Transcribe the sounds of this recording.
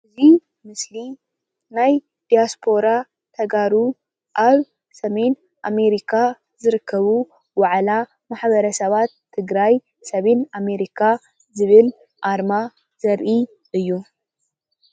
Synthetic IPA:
ʔɨzi | mɨsli | naj | d̪̥ijaspʰo̞ɾa | t̪ʰɐɡaɾu | ʔaβ | sɐme̞n | ʔame̞ɾikʰa | zɨɾɨkʰːɐβu | waʕla | maħβɐɾɐsɐβat̪ʰːɨɡɾaj | sɐmename̞ɾikʰa | zɨβɨl | ʔaɾma | zɐɾʔi | ʔɨjːu

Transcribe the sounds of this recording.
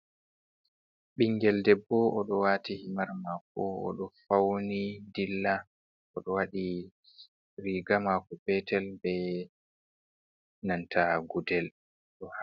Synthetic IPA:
ɓiŋɡɛldɛbːɔʔɔɗɔwatihimaɾmakɔɔ̰ɗɔfawnidilːa | ɔɗɔwaɗi | ɾiɡamakɔpɛtʰɛlbɛ | nantʰaɡudɛl | ɗɔha

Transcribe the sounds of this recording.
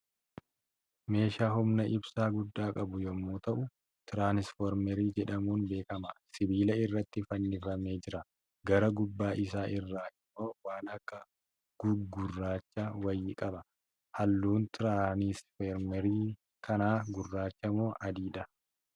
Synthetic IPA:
me̞ːʃaːhʊmnɐʔɪbsaːɡʊd̪ːaːkʼɐbʊjɔmːoːt̪ɐʔʊ | t̪ɪɾaːnɪsfɔɾmɛɾiːd͡ʒɛᶑɐmuːnbe̞ːkɐmɐsɪbiːlɐɪrːɐt̪ːɪfɐnːɪfɐme̞ːd͡ʒɪɾɐ | ɡɐɾɐɡʊbːaːʔɪsaːʔɪrːaːʔɪmːo̞ːwaːnɐkːɐ | ɡ̥ʊɡʊrːaːt͡ʃːawɐjːɪkʼɐbɐ | hɐlːuːnt̪ɪɾaːnɪsfeɾmɛɾiː | kʰɐnaːɡʊrːaːt͡ʃːɐmo̞ːʔɐd̪iːᶑɐ

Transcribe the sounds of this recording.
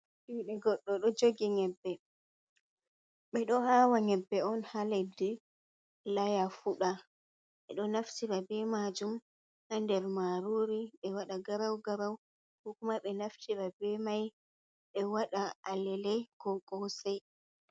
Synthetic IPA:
ɗiːɗɛɡɔɗːɔɗɔd͡ʒoɡiŋɛbːɛ | ɓɛɗɔhaːwaŋɛbːɛɔnhaledi | lajafuɗa | ɓɛɗɔnaftiɾabɛmad͡ʒum | handɛɾmaɾuːɾiɓɛwaɗaɡaɾawɡaɾaw | hɔkumaɓɛnaftʰiɾabɛmaj | ɓɛwaɗaalɛlɛkɔkʼɔwsaj

